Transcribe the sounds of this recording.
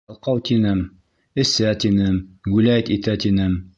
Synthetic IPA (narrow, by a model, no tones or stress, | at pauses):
lˠqɑwt̪inɘm | ɘ̆sæt̪inɘmɡʉlæjt̪it̪æt̪inɘm